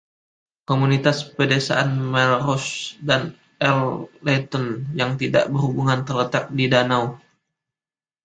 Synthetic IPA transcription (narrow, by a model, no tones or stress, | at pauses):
komunit̪aspədesa̰ʔanmɛlrɔsdan | ɛllet̪ɔnjaŋt̪ida̰ʔbərhubuŋant̪ərlət̪ak̚didanaw